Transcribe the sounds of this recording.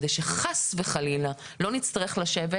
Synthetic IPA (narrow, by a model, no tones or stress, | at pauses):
dejʃeχasveχalila | lo̞nit͡st̪aʁeχlaʃeve